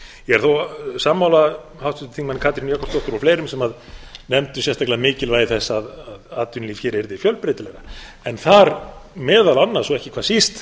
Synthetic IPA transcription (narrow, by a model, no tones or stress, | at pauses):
jɛɣɛɾ̥θowsaːmːawla | hawst̪ʏt̪ɪ̥t̪ʰiŋkmanɪkʰaːt̪ɾinjakːɔst̪ɔht̪ʏɾafleːjɾʏmsɛmað | nɛmt̪ʏsjɛst̪aklaðamɪːcɪlvaːjðɪθɛsːaðaðaːt̪ʏnliːfçɛːɾɛɾðɪfjœlpɾet̪ɪlɛɣa | ɛnθaɾmɛːðalanːḁsɔɛhcɪ̥kʰvaðsist̪